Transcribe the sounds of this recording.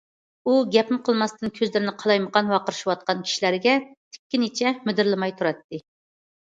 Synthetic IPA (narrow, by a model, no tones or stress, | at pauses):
uɡʲɛpʰɪmqʰəlˠmɑst̪ɨnkʲʰøzlɪɾɪnɪqʰɑlˠɑjməʁɑnwɑqəɾɨʃiwɑt̪̚qɑnkʲʰi̥ʃilæɾɪɡʲɛt̪ʰɪ̥kʲːinet͡ʃʰɛmyd̪ɪɾlˠɪmɑjt̪ʰuɾɑt̪ːɨ